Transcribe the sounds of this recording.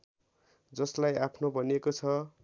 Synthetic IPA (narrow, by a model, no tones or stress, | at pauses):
d͡zʌslajapʰnobʱʌnekot͡sʰʌ